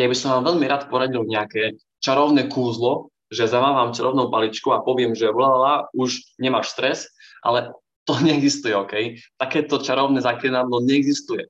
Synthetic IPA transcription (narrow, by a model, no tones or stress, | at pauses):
jabisɔmʋaːmʋɛʎmiɾaːt̪pɔɾaɟilɲɛakɛː | t͡ʃaɾɔʊnɛːkuːzlɔ | ʒɛzamaːʋamt͡ʃaɾʔɔʊnɔʊpalit͡ʃkuapɔʋɪɛmʒɛʋlaalauʒɲɛmaːʃst̪ɾɛsʔa̰lɛ | t̪ɔɲɛɛɡzist̪ujɛɔkɛjt̪akɛːt̪ɔt͡ʃaɾɔʊnɛzakɾinaːd̪lɔɲɛɛɡzist̪ujɛ